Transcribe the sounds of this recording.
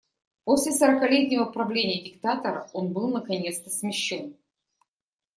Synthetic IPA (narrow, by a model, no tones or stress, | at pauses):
po̞sʲlʲɪsəɾəkɐlʲetʲnʲɪvəpɾɐvlʲenʲɪjədʲɪkt̪at̪əɾəo̞nbɨlˠnəkɐnʲet̪st̪əsmʲɪɕːon